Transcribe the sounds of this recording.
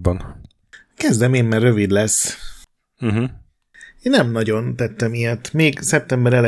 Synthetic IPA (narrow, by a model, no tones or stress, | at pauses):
bɒn | kɛzd̪ɛmeːmmɛrːø̞vid̪lɛsː | m̩ɦ̩ | eːnːɛmnɒɟo̞nt̪ɛt̪ːɛmijɛt̪meːɡsɛp̚t̪ɛmbɛɾɛlɛ